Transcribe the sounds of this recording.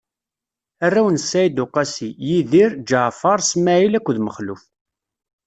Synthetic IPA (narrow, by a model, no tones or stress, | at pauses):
ærːæwənsæjd̪ʊqɑsijiðiɾd͡ʒəʕfɑɾˤsmːæʕilækʷːðməχluf